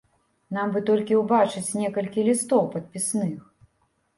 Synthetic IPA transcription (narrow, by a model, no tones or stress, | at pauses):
nambɨt̪ɔlʲkʲiwbat͡ʂɨt͡sʲnʲɛkɐlʲkʲilʲist̪ɔwpɐt̪̚pʲisnɨx